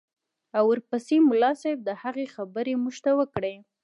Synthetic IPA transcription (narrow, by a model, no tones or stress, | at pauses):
awəɾpəsemʊlɑsajb̚d̪əhaɣexabəɾemuʒt̪awəkɽə